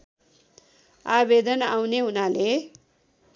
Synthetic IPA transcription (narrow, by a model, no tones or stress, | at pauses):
abed̪ʌnawneɦunale